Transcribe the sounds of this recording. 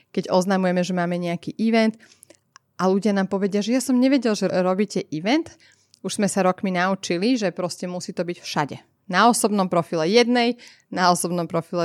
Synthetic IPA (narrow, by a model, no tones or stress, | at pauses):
kɛɟɔznamujɛmɛʒɛmaːmɛɲɛakiːʔiʋɛnt̪ | ʔaluɟɪanaːmpɔʋɛɟɪaʒɛjasɔmɲɛʋɛɟɛlʒɛɾɔbiːcɛʔiʋɛnt̪ | uʒz̥mɛsaɾɔkminaut͡ʃiliʒɛpɾɔscɛmusiːt̪ɔbicfʃaɟɛ̰ | naɔsɔbnɔmpɾɔfilɛjɛd̪nɛj | naɔsɔbnɔmpɾɔfilɛ